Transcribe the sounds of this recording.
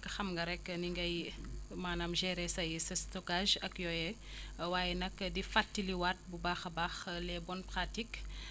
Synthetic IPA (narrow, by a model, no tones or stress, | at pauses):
kɐxɐmŋɡɐɾɛkːniŋɡɐjmaːnaːmʒɛːɾɛsɐjsɐstɔkaʒɐkjɔjɛ | waːjɛnɐkdifatːiliwat̚bubaxɐbaːxlɛbɔnpɾatik